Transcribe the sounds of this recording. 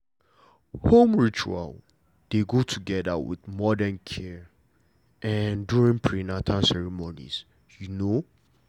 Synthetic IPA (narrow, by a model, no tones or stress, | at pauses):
hõmɹit͡ʃua̰l | d̥eɡotʰuɡɛðə̰wɪ̰ðmɔdɛ̃nkʰɛ | ɛnduɹĩŋpʰɹinatʰãnsɛɹimonḭz̥ | juno